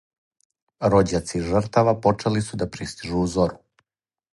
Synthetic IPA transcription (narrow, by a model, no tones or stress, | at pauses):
ɾo̞d͡ʑat̪siʒr̩t̪aʋapo̞t͡ʂelisud̪apɾist̪iʒuːzoɾu